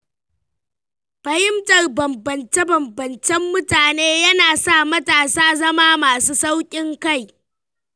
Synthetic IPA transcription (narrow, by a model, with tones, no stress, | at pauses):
ɸɐ˨jɪ˦mtɐ˨rbɐ˨mbɐ˨nt͡ʃe˦bɐ˨mbɐ˨nt͡ʃɛ˦mːʊ˦taː˨neː˦jɐ˦naː˨sa˦˨mɐ˦taː˨saː˦zɐ˦maː˦maː˨suː˦sa˦wkʲʼɪ˦ŋka˦˨j